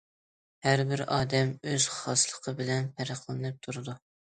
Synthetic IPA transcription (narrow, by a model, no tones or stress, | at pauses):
hæɾbɪɾɑːd̪ɛmøz̥χχɑslˠəqʰəbɪlɛnpʰæɾəχlˠɨnɨp̚t̪ʰuɾɨd̪u